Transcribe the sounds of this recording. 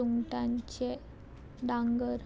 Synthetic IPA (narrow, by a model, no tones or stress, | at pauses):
uŋʈaɲt͡ɕe | d̪aŋɡəɾ